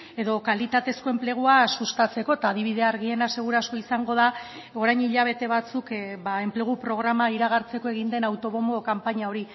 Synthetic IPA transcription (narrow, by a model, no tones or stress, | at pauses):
e̞ðo̞kalit̪at̪e̞sko̞e̞mple̞ɣ̞uasust̪at͡se̞ko̞̥t̪aːðiβ̞iðe̞aɾɣie̞nase̞ɣ̞uɾasko̞isaŋɡo̞ða | o̞ɾajɲiʎaβ̞e̞t̪e̞βat͡sukbae̞mple̞ɣ̞upɾo̞ɣɾamaiɾaɣ̞aɾt͡se̞ko̞e̞ɣ̞ind̪e̞nawt̪o̞βomo̞kampaɲao̞ɾi